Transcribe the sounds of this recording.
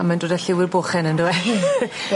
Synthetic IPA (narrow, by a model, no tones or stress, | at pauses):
amandoːdaɬɪwɪrboːχɛnəndoːɛ